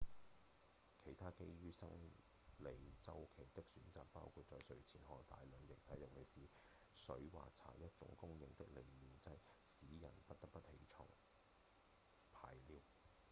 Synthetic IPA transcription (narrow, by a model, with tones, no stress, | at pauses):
kʰe˨˩jt̪ʰaː˥ke˥jɥyː˥sɐ̰˥ŋ | le˨˩jt͡sɐ˥wkʰe˨˩jt̪ɪ˥k̚syː˨˥nt͡saː˨k̚pa̰ː˥wkʰuː˨t̚t͡ʃɔː˧jsɵ˨˧ɥt͡sʰiː˨˩nɦɔː˨˩kt̪a̰ː˨˧jlɵ˨˧njɪ˨k̚t̪ʰɐ˨˥jɐ˨˩w̚kʰe˨˩jsiː˨˧ | sɵ˨˥ɥwa̰ː˨t͡sʰa̰ː˨˩jɐ˥t̚t͡ʃʊ̰˧˥ŋkʊ˥ŋjɪ˨ŋt̪ɪ̰˥k̚le˨˩jliː˨˧wt͡sɐ˧˥jsiː˨˥jɐ̰˨˩npɐ˥t̚t̪ɐ˥k̚pɐ˥t̚he˨˥jt͡ʃʰɔ̰ː˨˩ŋ | pʰaː˧jliː˨˧w